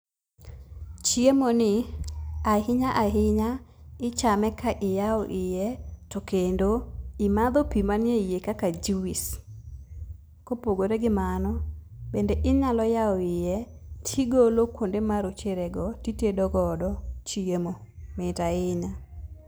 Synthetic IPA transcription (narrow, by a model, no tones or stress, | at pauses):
t͡ʃiemonɪ | aɦɪɲaʔaɦɪɲaɪt͡ʃamɛkaʔɪjaɔʔɪjɛtokendoɪmad̪opimanjejekakad͡ʒiwis | kopoɡoɾeɡɪmanɔbendeʔɪɲalɔjaɔɪjɛtʰiɡolokwondemaɾot͡ʃeɾɛɡɔtitedɔɡɔdɔt͡ʃiemometaɪɲa